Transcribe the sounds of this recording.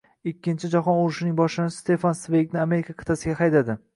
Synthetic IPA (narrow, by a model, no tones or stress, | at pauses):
ɪkʲːɪnt͡ʃʰɪd͡ʒaɦɒnoɾʊʃɪnɪŋbɒʃɪnɪst̪ʰe̞fansvejɡʲnɪame̞ɾɪkʰʲakʰɨ̥t̪ʰasɪɡʲahajd̪ad̪ɪ